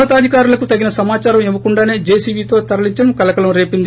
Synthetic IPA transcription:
ɐt̪aːd̪ʱikaːɾulɐkut̪ɐɡinɐsɐmaːt͡ʃaːɾɐmeʋːɐkuɳɖaːne̞ːd͡ʒe̞ːsiːʋiːt̪o̞ːt̪ɐɾɐliɲt͡ʃɐɽɐmkɐlɐkɐlɐmɾe̞ːpind̪i

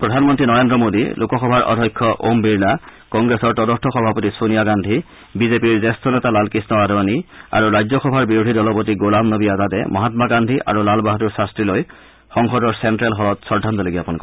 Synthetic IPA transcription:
pɹɔdʱanmɔntɹinɔɹendɹɔmodḭlokɔxɔbʱaɹʔɔ̰dʱɔjkʰːɔʔo̰mbiɹlakɔŋɡɹesɔɹtɔdɔntʰɔxɔbʱapotisonijaɡandʱi | bizepiɹzɛstʰɔnɛtalalkisnɔadɔania̰ɹuɹajzɔxɔbʱaɹbiɹodʱidɔlɔpot̬iɡolamnobijatatɛ̰mɔɦatmaɡandʱiʔa̰ɹulalbaɦɔtuɹsastɹiloj | xɔŋxɔdɔɹsɛntɹalɦɔlɔtsɔɹdʱantɔleɡijapunikɔ

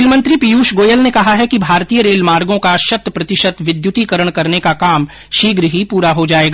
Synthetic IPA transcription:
lmɐ̃nt̪ɾipijuːʃɡoːjəlnekɐɦaɦɛkibʱaːɾt̪iːjəɾeːlmaːɾɡõkaʃɐt̪ːpɾɐt̪ɪʃət̪ʋɪd̪jʊt̪ikəɾəɽ̃kɐɾnekakaːm | ʃiːɡɾəɦipuːɾaɦod͡ʒaːeːɡa

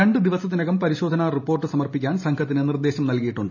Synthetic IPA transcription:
eɳɖɨd̪iʋɐsɐt̪ːinɐɣɐmpɐɾiɕo̞ːd̪ʱɐnaripːo̞ːrʈːɨsɐmɐrpikʲːaːnsɐŋkʰɐt̪ːinɨnird̪e̞ːɕɐmnɐlkijiʈːuɳɖɨ

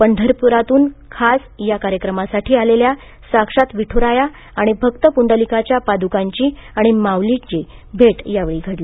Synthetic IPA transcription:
pəɳɖʱəɾpuɾat̪uːnkʰas | jakaɾjəkɾəmasaʈʰiːalelja | sakʂat̪ʋiʈʰoɾaja | aɽ̃ibʱəkt̪əpuɳɖəlikat͡ɕjapad̪ukaɲt͡ɕiːaɽ̃imawlit͡ɕibʱeʈjaʋɭiːɡʱəɽli

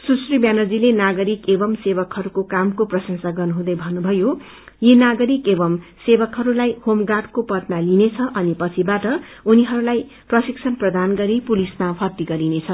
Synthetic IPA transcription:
susribjanʌd͡zilenaɡʌɾikebʌmsebʌkhʌɾukokamkoprʌsʌnsaɡʌrnuɦũd̪ʌjbʱʌnːubʱʌjo | jenaɡʌɾikebʌmsebʌkɦʌɾulajhomɡaʈkopʌt̪̚nalinet͡sʰʌʔʌnipʌt͡sʰibaʈʌ | uniɦʌɾulaj | prʌsik̚sʰʌnprʌd̪anɡʌɾipulismapʰʌrt̪ːiɡʌɾinet͡sʰʌ

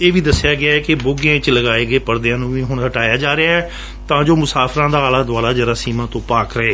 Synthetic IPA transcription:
eːʋiːd̪əsːɪjaːɡɪaːɛːkɪbʊɡãt͡ʃləɡaːeːɡeːpəɾd̪ejãːnũːʋiːɦʊɳɦəʈaːjaːd͡ʒaːɾeaːɛː | t̪ãːd͡ʒoːmʊsaːpʰɾãːd̪aːaːlaːd̪ʊaːlaːd͡ʒəɾaːsiːmãːt̪õːpaːkɾəɦeː

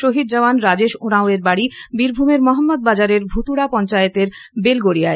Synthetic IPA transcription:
ʃoɦid̪̚d͡ʑaanɾad͡ʑeʃoɾaoeɾbaɽibiɾbʱumeɾmɔɦamːod̪̚bad͡ʑaɾeɾbʱut̪uɽapɔnt͡ɕajet̪eɾ | belɡoɽiae

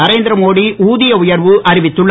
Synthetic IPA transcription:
ɐɾeːnd̪ɪɾɐmoːɽiʔuːðɪjɐʊjɐɾʋɯʔɐɾɪʋɪt̪ːɯɭː

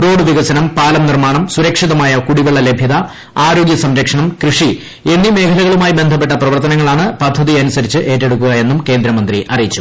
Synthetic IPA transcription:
ro̞ːɽɨʋiɣɐsɐnɐmpaːlɐmnirmaːɳɐmsuɾɐkʂiðɐmaːjɐkuɽiʋeɭːɐle̞bʱjɐðɐ | aːɾo̞ːɡjɐsɐmɾɐkʂɐɳɐmkrɨʂi | e̞nːime̞ːkʰɐlɐɣɐɭumaːjibe̞nd̪ʱɐpːe̞ʈːɐprɐʋɐrt̪ɐnɐŋːɐɭaːɳɨpɐd̪ʱːɐðiɐnusɐɾit͡ɕːɨʔe̞ːtːe̞ɽukːuɣɐje̞nːumke̞ːnd̪ɾɐmɐnd̪riʔɐrijit͡ɕːu̥

